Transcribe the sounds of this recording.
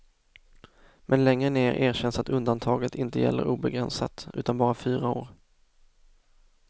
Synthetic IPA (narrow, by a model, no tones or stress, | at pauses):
mʔɛnlɛŋːɾəneːɾʔeːɾɕɛnsat̪ɵnd̪ant̪ʰɑːɡət̪ʰɪnt̪əjɛ̰lːəɾuːbɛɡɾɛnsa̰t̪ʉ̟ːt̪anbɑːɾafyːɾaoːɾ